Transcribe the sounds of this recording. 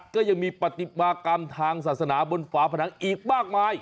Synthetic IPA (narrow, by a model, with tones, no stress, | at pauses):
kɔː˥˩ja˧ŋmiː˧pa˨˩t̪ːi˨˩baː˧ka˧mt̪ʰaː˧ŋsaː˨t̪̚sa˧naː˩˦bo˧nfaː˩˦˥pʰa˧naː˨˦ŋʔiː˨˩k̚maː˥˩k̚maː˧j